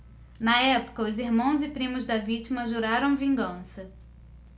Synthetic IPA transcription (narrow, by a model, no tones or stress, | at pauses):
nɐɛpʊ̥kɐʊzɪɾmɐ̃w̃zɪpɾĩmʊzd̪ɐvit͡ʃimɐʒuɾaɾɐ̃w̃vĩŋɡɐ̃sɐ